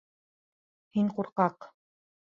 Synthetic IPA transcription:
hiŋquɾqɑq

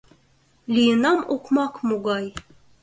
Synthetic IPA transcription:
lʲijɤnɑmuqmɑqmuɡɑj

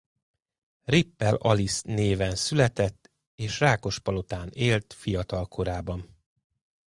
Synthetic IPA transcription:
ripːɛlɒlisneːvɛnsylɛt̪ɛt̪ː | eːʃraːko̞ʃpɒlo̞t̪aːneːlt̪fijɒt̪ɒlkʰo̞ɾaːbɒn

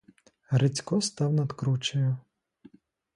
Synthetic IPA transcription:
ɾet͡sʲkɔst̪ɑwnɐd̪kɾut͡ʃɐjʊ

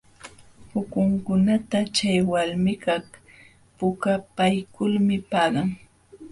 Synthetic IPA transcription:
pʊkʊŋkʊnat̪at͡ʃajwalmɪkɑχ | pʊkapajkʊlmɪpɑːɢɑŋ

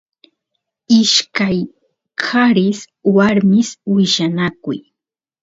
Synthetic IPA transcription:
ɪʃkaj | kʰaɾɪs | waɾmɪswɪʃanakʊ̰j

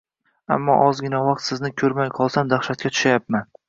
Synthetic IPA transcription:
a̰mːɒ̰ʔɒzɡʲɪnavɑq̚t̪sɪznɪkʲʰɵɾmajqʰɒlˠsamd̪aχʃat̪̚kʲat̪ʰʊ̥ʃajap̚man

